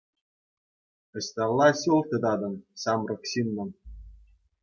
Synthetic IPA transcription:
ɘ̆ɕʲt̪ʲɑlˠːɑɕulˠt̪ʲɤ̆d̪ɑd̪ɤ̆mɕɑmrɤ̆kɕinːɤ̆m

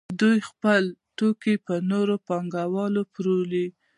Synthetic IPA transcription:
d̪ujxpəlt̪okipənoɾopɑŋɡawɑlopɾoli

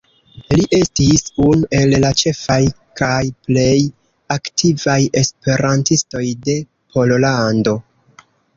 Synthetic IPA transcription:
liʔe̞stisunuʔe̞llat͡ʃe̞faj | kʰajple̞j | aktivaje̞spe̞ɾantisto̞jde̞ | pʰo̞lolando̞

